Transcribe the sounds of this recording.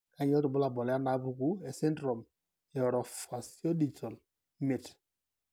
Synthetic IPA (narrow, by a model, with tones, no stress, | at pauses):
ka˨˦ɲ˦ɔ˦tʊ˨bʊ˦la˨bɔ˨lɛ˨˦a˦na˨˦bu˨˦ku˦ɛ˨sɛ˦ntɾɔ˨m | jɛ˨ɾɔ˨fa˨si˦o˦di˨tɔ˨l | me˨t